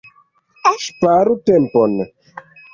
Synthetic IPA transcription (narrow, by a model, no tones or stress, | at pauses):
ʃpaɾutɛmpɔnə